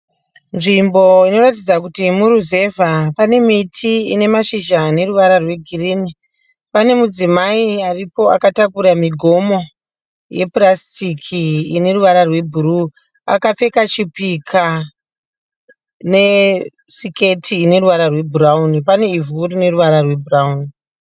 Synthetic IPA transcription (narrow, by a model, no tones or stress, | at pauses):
nʐimbo̞ino̞ɾatid͡zakutimuɾuze̞vʱapane̞mitʰiine̞maʃiʒane̞ruʋaɾarwe̞ɡʱiriːni | pane̞mud͡zimaiaripo̞a̰katakuɾamiɡʱo̞mo̞ | je̞prastikʰiːne̞ruʋaɾarwe̞bʱuru | a̰kafe̞kat͡ʃipikʰa | ne̞ | sike̞tʰiːne̞ruʋaɾarwe̞bʱuraunipane̞ivurine̞ruʋaɾarwe̞burauni